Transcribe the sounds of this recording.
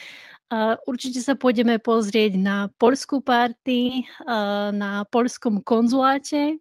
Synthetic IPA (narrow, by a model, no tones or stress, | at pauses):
uɾt͡ʃicɛsapʊɔɟɛmɛpɔzɾɪɛɟnapɔʎskupaɾt̪i | napɔʎskɔmkɔnzulaːcɛ